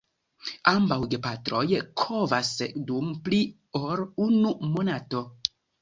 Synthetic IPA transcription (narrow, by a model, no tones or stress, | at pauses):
ambawɡepatɾojkʰovasdumpli | oɾunumo̞nato̞